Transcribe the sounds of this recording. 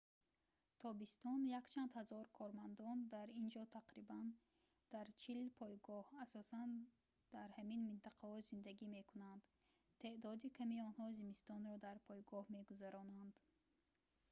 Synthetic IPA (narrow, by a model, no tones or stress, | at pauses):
t̪ʰɔbist̪ɔnjakt͡ʃʰand̪hazɔɾkʰɔɾmand̪ɔnd̪aɾind͡ʒɔt̪ʰaqɾiban | d̪̥aɾt͡ʃʰilpʰɔjɡɔhasɔsan | d̪̥aɾhæminmint̪ʰaqʰahɔzind̪aɡime̞kʰunand̪ | t̪ʰe̞ʔd̪ɔd̪ikʰamiɔnhɔzimist̪ɔnɾɔd̪aɾpʰɔjɡɔhme̞ɡuzaɾɔnand̪